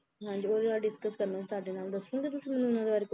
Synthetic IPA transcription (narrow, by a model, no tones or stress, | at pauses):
ɦãːɲd͡ʒiːoːd̪eːʋaːlɖɪskəskəɾnãːt͡ʃt̪ʊaːɖeːnaːld̪əsũːɡeːt̪̬ʊsĩːmɛnũʊnãːd̪ebaːɾek